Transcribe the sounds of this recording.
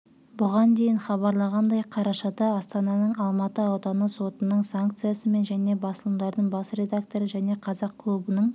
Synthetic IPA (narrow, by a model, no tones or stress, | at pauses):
bʊʁɑnd̪e̞jɪnχɑβɑɾlˠɑʁɑnd̪ɑjqʰɑɾɑʃɑd̪ɑːst̪ɑnɑnəɴɑlˠmɑt̪əɑwt̪ɑnəso̞t̪ənəɴsaŋkt̪sɨjasəme̞nʒæne̞bɑsəlˠəmd̪ɑɾd̪əɴbɑsɾʲe̞d̪ak̚t̪o̞ɾəʒæne̞qʰɑzɑqkʰlˠubənəɴ